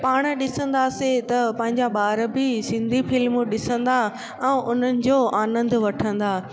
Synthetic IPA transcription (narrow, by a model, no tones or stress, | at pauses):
paːɽ̃ɗɪsə̃nd̪aset̪ɐpɐ̃ɦɪ̃ɲd͡ʑaɓaːɾbɪsɪ̃nd̪ʱifɪlmʊɗɪsə̃nd̪a | ɛ̃ːʔʊn̤ənɪ̆d͡ʑoːʔaːnə̃nd̪ʋɐʈʰə̃nd̪aː